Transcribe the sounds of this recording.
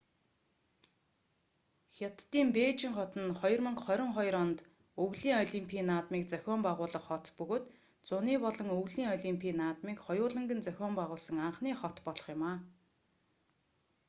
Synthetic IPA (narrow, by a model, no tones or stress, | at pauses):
xʲat̪ːiːmpeːt͡ɕɪ̆ŋχɔt̪ə̆nχɔjɞ̆rmɵ̆ŋkχœɾʲɪ̆ŋχɔjɾɔnt̪ | ɵɣɮiːŋɔɮʲimpʰiːnaːt̪miːkt͡sœxʲɔːmpæʁʊːɮə̆χχɔt̪pɵɣoːt̪ | t͡sʊniːpɔɮɞ̆ŋɵɣɮiːŋɔɮʲimpʰiːnaːt̪miːkχɔjʊːɮə̆ŋɡɘ̆nt͡sœxʲɔːmpæʁʊːɮsə̆ŋaɴχniːχɔt̪pɔɮɞ̆χjʊmaː